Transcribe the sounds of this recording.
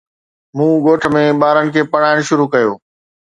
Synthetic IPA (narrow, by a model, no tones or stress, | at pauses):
mũːɡoːʈʰə̆mẽɓaːɾənɪ̆kʰeːpɐɽaːɪɽ̃ʃʊɾukɐjo̰ː